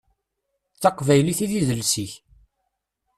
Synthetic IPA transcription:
θɑqvæjliθiðiðəlsiç

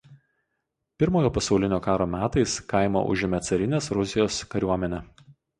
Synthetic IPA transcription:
pʲɪɾmoːjoːpɐsɒʊlʲɪnʲoːkɑːɾoːmʲæːt̪ɐɪskɑˑɪmo̰ʔʊ̰ʒʲɪmʲɛt̪sɐɾʲɪnʲeːsɾʊzʲɪjoːskɐɾʲuɔmʲɛnʲɛ

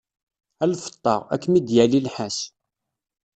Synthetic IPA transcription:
ælfə̥t̪ˤːɑ̰ʁæ̰kːmid̪jælilħæs

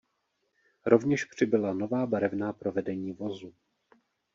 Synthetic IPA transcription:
ɾo̞vɲɛʃpr̥ɪbɪlano̞vaːbaɾɛvnaːpɾo̞vɛdɛɲiːvo̞zu

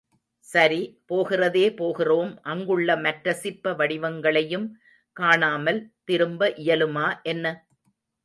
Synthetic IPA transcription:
sɐɾipoːɣɪrɐðeːpoːɣɪroːmʔɐŋɡɯɭːɐmɐʈɾɐsɪpːɐʋɐɽɪʋɐŋɡɐɭɐjɯm | kaːɳaːmɐlt̪ɪɾɯmbɐʔɪjɐlɯmaːʔɛnːɐ

